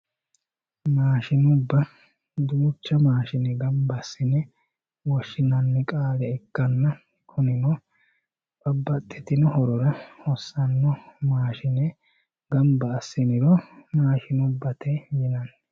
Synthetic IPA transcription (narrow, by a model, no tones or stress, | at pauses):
maːʃɪnʊbːɐ | d̪uːt͡ʃːɐmaːʃɪnɛɡɐmbɐsːɪnɛ | wɔʃːɪnɐnːɛkʼaːlɛɛkːɐnːɐ | kʰʊnɪnɔ | bɐbːɐt̪ʼːɛt̪ɪnɔhɔɾɔɾɐhɔsːɐnːɔmaːʃɪnɛ | ɡɐmbɐːsːɪnɪɾɔmaːʃɪnʊbːɐt̪ɛmɪnɐnːɛ